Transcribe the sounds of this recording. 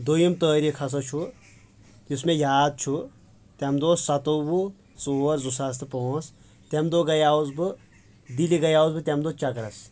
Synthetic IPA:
d̪ojimt̪əːɾikʰɐsɐt͡ʃʰu | usmẽjaːd̪̚t͡ʃʰu | t̪ɐmd̪oːssɐt̪obu | soːɾzusɐs̬t̪ɨpoːs | t̪emd̪oːɡɐjaːuzbɨ | d̪iliɡɐjaːuzbɨt̪ʲɐmd̪oːt͡ʃɐkɾɐs

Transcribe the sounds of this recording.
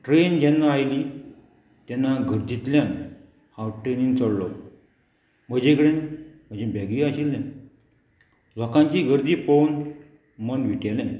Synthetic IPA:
ʈɾend͡ʑɛnːaajliː | t̪anːaɡʱəɾd̪it̪ljan | hawʈɾenint͡səɽlɔ | m̤əd͡ʑekəɽenm̤əd͡ʑebʱɛɡiaɕilne | lɔkãɲt͡ɕiːɡʱəɾd̪iːfon | mənʋiʈalɛ̃

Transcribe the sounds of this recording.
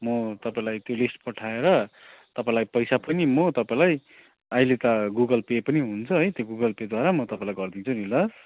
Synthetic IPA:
mʌt̪ʌpaĩlajt̪jolisʈpʌʈʰaeɾʌ | t̪ʌpãĩlajpʌjsapʌnimʌt̪ʌpaĩlaj | ailet̪ʌɡuɡʌlpepʌniɦunt͡sʰʌɦʌjt̪joɡuɡʌlped̪waɾamʌt̪ʌpãĩlajɡʌrd̪int͡sʰunilʌs

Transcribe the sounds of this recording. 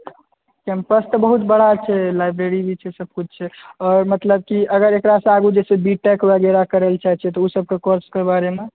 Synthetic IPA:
kɛ̃mpəst̪ɔbəɦut̪bəɽ̤at͡ʃʰɛlajbɾeɾibʱit͡ʃʰɛsəb̚kut͡ʃʰt͡ʃʰɛɔːɾmət̪ləb̚kiəɡəɾekɾasə̃aɡud͡ʒɛsebiʈɛkbəɡɛɾakəɾelt͡ʃaɦɛt͡ʃʰɛt̪ɔusəb̚kekoɾskebaɾeme

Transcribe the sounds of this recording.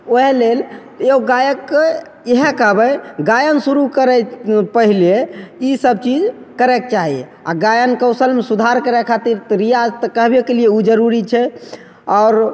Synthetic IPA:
oɦelel | eoɡajəkːe | eɦɛkəɦbəɡajənsuɾukəɾɛpəɦileisəb̚t͡ʃid͡ʒ | kəɾɛkt͡ʃaɦie | a̰ɡajənkəʊsəlmesud̪ʱaɾkəɾɛkʰat̪iɾt̪ɾijad͡ʒt̪əkəɦbekelijeud͡ʒəɾuɾit͡ʃʰɛ | ɔːɾ

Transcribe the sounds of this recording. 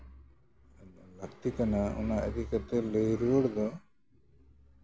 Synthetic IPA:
ləkt̪ikanaṵnaə̰d̪ikat̪elejɾəɽd̪ɔ

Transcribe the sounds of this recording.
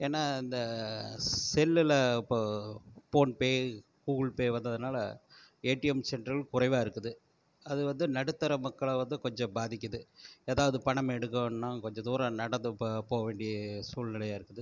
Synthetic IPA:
eːnːaːɪnd̪ɐ | sɛlːɪlɐɪpːopoːnpeː | kuːɣɐɭpeːʋɐnd̪ɐðɯnaːlɐ̰eːʈːɪɛmsɛɳɖɾɐlkʊrɐɪʋaːɪɾɯkːɯðɯ | ɐðɯʋɐnd̪ɯnɐɽɯt̪ːɐɾɐmɐkːɐɭʋɐnd̪ɯkɔɲd͡ʒɔ̃baːðɪk̬ʲːɐðɯeːðaːʋɐðɯpɐɳɐmɛɽɯk̬ːɐnnãːkɔɲd͡ʒɔ̃d̪uːɾɐ̃nɐɽɐnd̪ɯpoːɣɐʋeːɳɖɪjɐsuːlnɪlɐjaːɪɾɯkːɯðɯ

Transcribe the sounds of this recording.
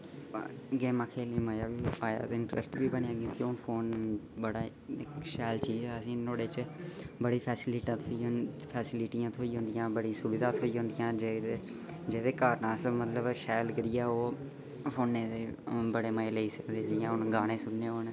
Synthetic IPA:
ɡeːmaːkʰeːliːməjaːʋiːaːja̰ːt̪ɪɳʈɾə̰sʈʋiːbəɳːaːkjõːkiʊnfʰoːnbəɽaː | ɪkʃɛːlt͡ʃiːzɛːəsĩːnoːɽeːt͡ʃbəɽiːpʰɛːsɪlɪʈat̪ʰoːiːɦnpʰɛːsɪlɪʈijãːt̪ʰoːiːɦʊ̃nd̪ɪjãːbəɽĩːsʊbɪd̪aːt̪ʰoːiːɦʊ̃nd̪ɪjãːd͡ʒee | d͡ʒeːd̪eːkaːɾnãːsəmət̪ləbʃɛːlɡəɾɪjaːoː | fʰoːnːeːt̪eːbəɽeːməeːləiːsəkd̪eːd͡ʒɪjãːʊnɡaːɽ̃ẽːsʊbneːoːn

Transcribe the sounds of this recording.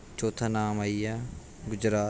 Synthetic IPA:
t͡ʃoːt̪ʰaːnaːmaːiːjaː | ɡʊd͡ʒɾaː

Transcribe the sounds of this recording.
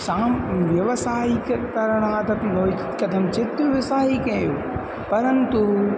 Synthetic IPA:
sãːmʋjɐʋsaːikkɐɾəɽ̃ɦãt̪ɐp̪ĩɦoːi | kɐd̪ʱɐmt͡ʃɪt̪ʋɪsaːikɐ̃juː | pɐɾənt̪u

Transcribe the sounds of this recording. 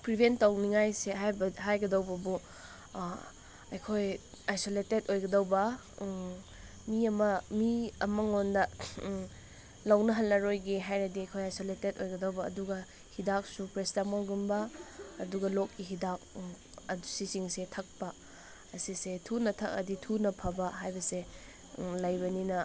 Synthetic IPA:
pɾibʱentɐwniŋajseɦajbɐɦajɡɐdɐwbɐbu | ɐjkʰoj | ajsoletedojɡɐdɐwbɐ | miɐmɐmiɐmɐŋondɐ | lɐwnɐɦɐlːɐɾojɡeɦajɾɐdiɐjkʰojajsoletetojɡɐdɐwbɐ̰ːduɡɐ | hidak̚supɾesdamolɡumbɐːduɡɐlokːiɦidak̚ | ɐsisiŋsetʰɐk̚pɐ | ɐsisetʰunɐtʰɐk̚ɐ̰ditʰunɐpʰɐbɐɦajbɐse | lɐjbɐninɐ

